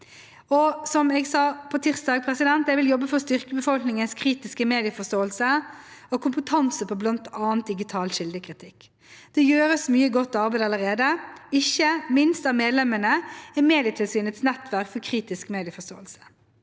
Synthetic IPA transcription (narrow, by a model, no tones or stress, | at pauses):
ɔsɔmɛɡsɑːpʰɔt̪ʰɪʁsd̪ɑːɡpʰɾɛsɪd̪ɛnt̪̚ɛʋɪljɔbːəfɔʁst̪ʏʁkəbəfɔlknɪŋənskʰʁiːt̪ɪskəmeːd̪ɪəfɔst̪oːəlsəɔkʰʊmpət̪ʰɑnsəpʰɔblɑnt̪ɑːnt̪̚d̪ɪɡɪt̪ʰɑːlʃɪld̪əkʰʁɪt̪ʰɪkː | d̪̥ɛjøːɾəsmyːəɡɔt̪ːɑʁbæɪd̪ɑlːəʁeːd̪əɪçːəmɪnst̪ɑʋmeːd̪lɛmənəɛmeːd̪ɪət̪ʰɪlsyːnət̪snɛt̪ʋæʁkfɔʁkʰɾiːt̪ɪskmeːd̪ɪəfɔst̪o̰ːəlsə̥